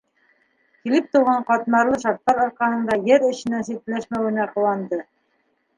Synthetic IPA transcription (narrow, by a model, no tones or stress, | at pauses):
kilɘp̚t̪uwʁɑɴqɑt̪mɑɾlˠɤʃɑɾt̪ːɑɾŏɾqɑnɤ̆nd̪ɑjɘɾɘ̆ɕɘ̆næsit̪læʃmæwɘ̆næqɤ̆wɑnd̪ɤ